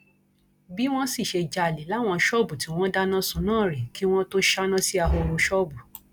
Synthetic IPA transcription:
bi˦w̃ɔ̃˦si˦˨ʃe˧d͡ʒa˧˨li˨˦la˦˨w̃ɔ̃˧ʃɔ˦˨bu˨ti˨˦w̃ɔ̃˦da˦nã˦sũ˨˦nãː˦˨ɾi˨ki˦w̃ɔ̃˦to˦ʃa˦nã˦si˦a˧ɦo˧ɾo˧ʃɔ˦bu˨

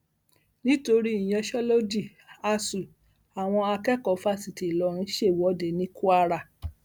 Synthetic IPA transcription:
nĩ˦to˧ɾi˦i˨j̃ɛ̃˧ʃɔ˦lo˦d͡ʒi˦˨ | a˧su˨ | a˨w̃ɔ̃˧a˧kɛ˦kɔ˨˦fa˦si˨ti˨lɔ˨˧˦ɾ̃ĩ˦ʃe˦˨wɔ˨˦de˨˦nĩ˦ku˦a˧ɾa˦˨

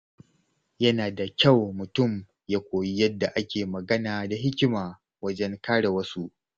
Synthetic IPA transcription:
jɐ˦naː˨da˨kʲa˦˨wmʊ˨tʊ˦˨m | jaː˦kʷoː˨ji˦jɐ˦dːa˨ʔa˦kʲeː˨mɐ˨ɡɐ˦naː˨da˨ɦɪ˦kʲɪ˦maː˨ | wɐ˦d͡ʒɛ˦ŋkaː˦ɽe˨wɐ˦su˦ʔ

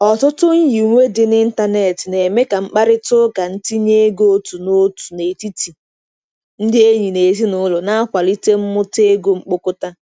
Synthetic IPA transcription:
ɔ˨tʊ˦tʊ˦ɲ̩˦ji˨u˨ŋʷe˦dɪ˨nɪ˦n̩˦ta˦ne˨tɪ˨ne˨me˦ka˨ŋ͡m̩˦k͡pa˦ɾɪ˦tʊ˦ɡa˨n̩˦ti˦ɲe˦ɡo˦tu˨no˦tu̥˨ne˨ti˦ti˨ | n̩˦dɪ˦e˦ɲi˨ne˨zi˦nʊ˦lʊ˨na˦a˦kʷa˨li˦te˦m̩˦mʊ˦te˦ɡo˦ŋ͡m̩˦k͡po˦kʊ˦ta˦

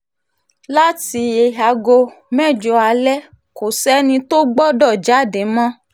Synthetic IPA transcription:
la˦ti˧e˧ɦa˧ɡo˧ | mɛ̃˦˨d͡ʒɔ˧a˧lɛ˦ | ko˨sɛ˦nĩ˧to˦ɡ͡bɔ˦dɔ˦˨d͡ʒa˨˦˨de˨˦mã˦

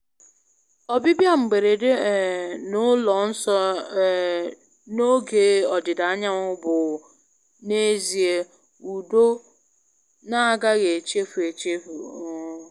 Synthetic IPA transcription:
ɔ˨bi˦bja˦m̩˨ɡ͡be˨ɾe˨de˦˨nʊ˦lɔ˨n̩˦sɔ˦˨ | no˦ɡe˦ɔ˨dɪ˨da˨a˦ɲa˦ʊ˦bʊ˨ | ne˦zi˨e˦ | u˨do˦ | na˦a˦ɡa˦ɣe˨t͡ʃe˦fu˨e˨t͡ʃe˦fu˨˦

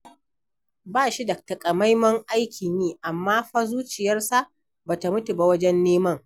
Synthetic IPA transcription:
baː˦˨ʃi˦dɐ˨k̚ta˨kʼɐ˨ma˦jmɐ˦ŋʔa˦jkʲʰi˨nniː˦ʔa˨mːaː˦ɸa˦zuː˦t͡ʃɪ˨jɐ˦rsa˦ʔ | ba˨ta˨mʊ˦tu˨ba˦˨wɐ˦d͡ʒɛ˦nːeː˦mɐ˦ŋ

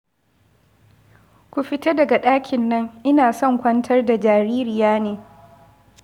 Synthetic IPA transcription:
kʷu˨ɸɪ˦ta˦dɐ˨ɡa˨ɗaː˦kʲʰɪ˨nːɐ˦ŋʔɪ˦naː˨sɔ˦˨ŋkʷɐ˦ntʰɐ˦rda˨d͡ʒaː˨ɾiː˦ɾɪ˨jaː˦neː˨

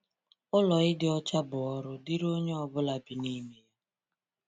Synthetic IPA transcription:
ʊ˦lɔ˨ɪ˦dɪ˦ɔ˦t͡ʃa˦bʊ˨ɔ˦ɾʊ˦dɪ˦ɾo˦ɲe˦ɔ˨bʊ˦la˨bi˨ni˦me˨ja˦

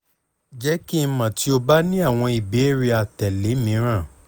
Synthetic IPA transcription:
d͡ʒɛ˦ki˦˧mã˨ti˨˦o˧ba˦nĩ˦a˦˨w̃ɔ̃˧i˨be˨˦ɾi˧a˨tɛ˨le˨˦mĩ˨˦ɾ̃ã˦˨

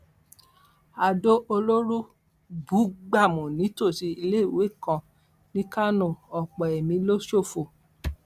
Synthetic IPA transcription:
a˧do˦ʔo˧lo˦ɾu˦ | bu˨˦ɡ͡ba˦˨mũ˨nĩ˨˦to˦˨si˨˧i˧le˦i˦˨we˨˦˨kã˧ | nĩ˦ka˦nõ˦˨ɔ˨k͡pɔ˨ɛ˨mĩ˧lo˦ʃo˦˨fo˨

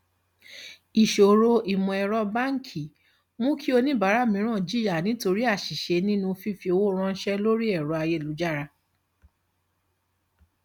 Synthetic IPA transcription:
i˨ʃo˨ɾo˧i˨mɔ̃˧ɛ˧ɾɔ˦ba˦˨ŋ̩˦kʰi˨ | mũ˦kʰi˦o˧nĩ˦ba˨˦ɾa˨˦˨mĩ˨˦ɾ̃ã˦˨d͡ʒi˦a˨nĩ˨˦to˧ɾi˦a˦˨ʃi˨ʃe˨˧˦nĩ˦nũ˧fi˦fi˧o˧wo˦ɾ̃ɔ̃˧n̩˦ʃɛ˦lo˦ɾi˦ɛ˦˨ɾɔ˨˦a˧je˦˨lu˨˦d͡ʒa˦˨ɾa˧

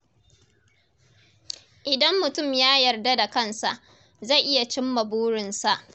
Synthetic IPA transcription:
ʔɪ˨dɐ˦mːʊ˨tʊ˦˨mjaː˦jɐ˨rda˦da˨kɐ˦˨nsa˨ʔ | za˦˨jʔɪ˦ja˨t͡ʃɪ˦mːɐ˨buː˦ɽɪ˨nsa˨ʔ

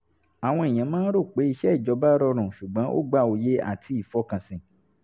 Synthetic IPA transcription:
a˨w̃ɔ̃˧e˨j̃ã˨˦mãː˦ɾo˦˨k͡pe˨˦i˧ʃɛ˦i˦˨d͡ʒɔ˨˧˦ba˦ɾɔ˧ɾ̃ũ˨ʃu˨ɡ͡bã˨˦ʔo̰˦ɡ͡ba˦˨o˨je˨˦a̰˦˨tʰi˧˦i˨fɔ˦kã˨sĩ˨

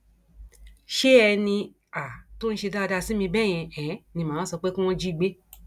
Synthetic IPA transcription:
ʃe˦ɛ˧nĩ˧ | a˨to˦n̩˦ʃe˧da˦˧da˦˨si˨˦mĩ˧bɛ˦˨j̃ɛ̃˧ɛ̃˨˦nĩ˧mãː˨˦sɔ˧k͡pe˦ku˦w̃ɔ̃˧d͡ʒi˦˨ɡ͡be˦

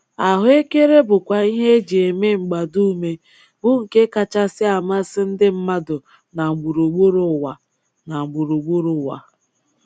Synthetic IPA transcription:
a˨ɦʊ˦e˦ke˦ɾe˦bʊ˨kʷa˨i˦ɦe˦d͡ʒi˨e˨me˦ŋ͡m̩˨ɡ͡ba˨du˦me˦ | bʊ˦ŋ̩˨ke˦ka˨t͡ʃa˦sɪ˦a˨m˦a˦sɪ˦n̩˦dɪ˦m̩˦ma˦dʊ˨ | na˨ŋ͡m̩˨ɡ͡bu˨ɾu˨ɡ͡bu˦ɾʊ˦˨wa˨ | na˨ŋ͡m̩˨ɡ͡bu˨ɾu˨ɡ͡bu˦ɾʊ˨wa̰˨

